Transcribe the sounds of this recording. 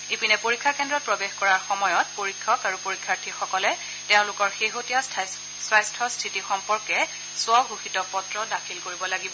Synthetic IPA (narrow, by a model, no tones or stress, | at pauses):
epinɛpoɹikʰːakɛndɹɔt̚pɹɔbexkɔɹaɹxɔmɔjɔt̚poɹikʰːɔkaɹupoɹikʰːaɹtʰixɔkɔlɛ | teʊ̃lʊkɔɹxeɦotija | sɹajstʰɔstʰitixɔmpɔɹkɛ | sʊɔɡʱuxitɔpɔtɹɔdakʰilkoɹibɔlaɡibɔ